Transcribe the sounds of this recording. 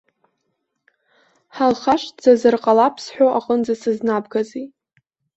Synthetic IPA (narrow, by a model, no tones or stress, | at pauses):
ħalχaʃʼd͡z̥azɨrqʼalapʰsħʷᶣoʔaqʼənd͡zasɨznabɡazi